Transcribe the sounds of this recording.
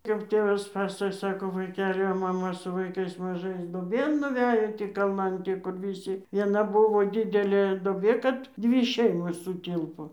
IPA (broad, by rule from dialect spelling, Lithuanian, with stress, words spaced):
kɐp ˈtʲeːʋɐs ˈpɑːsɐkoːj ˈsɑːkoː ʋɐɪˈkʲæːlʲɪ oː mɐˈmɐ sʊ ʋɐɪˈkɐɪs mɐˈʒɐɪs duɔˈbʲeːn nʊˈʋʲæjoː tʲiː kɐlˠˈnɐn ˈkʊr ʋʲɪˈsʲɪ ʋʲiɛˈnɐ ˈbʊʋoː ˈdʲɪdʲɛlʲeː doːˈbʲeː ˈkɐt ˈdʲʋʲɪ ˈʃʲɛɪmoːs sʊˈtʲɪlˠpoː